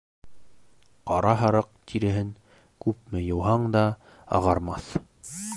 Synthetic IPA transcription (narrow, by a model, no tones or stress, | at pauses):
qɑɾɑɦɑɾɤq̚t̪ʰiɾɘ̆ɦɘŋ | kʉp̚mɘjɤ̆wɦɑɴd̪ɑ | ɑ̰ʁɑɾmɑθ